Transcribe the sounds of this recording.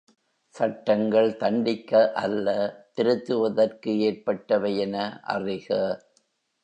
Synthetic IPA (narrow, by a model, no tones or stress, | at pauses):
sɐʈːɐŋɡɐɭt̪ɐɳɖɪkːɐʔɐlːɐt̪ɪɾɯt̪ːɯʋɐðɐrkɯeːrpɐʈːɐʋɐjɛnɐʔɐ̰rɪɣɐ